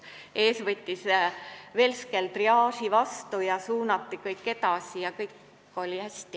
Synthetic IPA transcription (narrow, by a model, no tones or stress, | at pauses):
e̞ːsvɤt̪ʲːisve̞ːlskelt̪riɑːsivɑst̪ujɑsuːnɑt̪ːikɤjkːe̞t̪ɑsijɑkɤjkːˑ | o̞lʲihæsʲt̪i